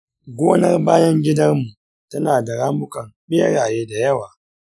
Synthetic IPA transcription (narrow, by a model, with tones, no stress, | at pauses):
ɡʷoː˦nɐ˦rbaː˦jɐ˦ŋɡʲɪ˦dɐ˦rmu˨ | tɐ˦naː˨da˨ɽaː˦mbʊ˦kɐ˨mɓe˦ɽaː˨jeː˦da˨jɐ˦waː˨